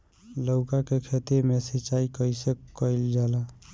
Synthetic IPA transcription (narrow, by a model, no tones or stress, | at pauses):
ləwkakekʰet̪imesit͡ʃaikəjsəkːəjld͡ʒala